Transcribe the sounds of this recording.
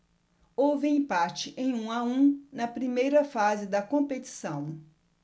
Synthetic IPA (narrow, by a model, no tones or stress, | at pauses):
owvɪĩpat͡ʃɪʔẽj̃ũaũnɐpɾimejɾɐfazɪd̪ɐkõpet͡ʃi̥sɐ̃w̃